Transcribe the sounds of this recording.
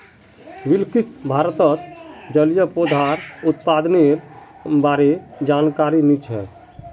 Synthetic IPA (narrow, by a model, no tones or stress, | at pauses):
ʋɪlkɪsbʱaːɾət̪ət̪d͡ʒəljəpod̪ʱaːɾʊt̪paːd̪neɾbaːɾed͡ʒaːnkaːɾinit͡ʃɦɛ̰ː